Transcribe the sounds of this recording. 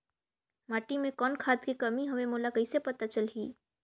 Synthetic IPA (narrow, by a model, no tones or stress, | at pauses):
maːʈimẽkɔːnkʰaːt̪kikɐmiɦɐmẽmoːlakɐisepɐt̪at͡ʃəlɦiː